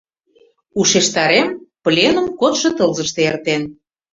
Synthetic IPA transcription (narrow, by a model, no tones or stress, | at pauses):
uʃeʃt̪ɑɾemplʲenə̆mkot̪ʃŏt̪ɤlzəʃt̪eert̪en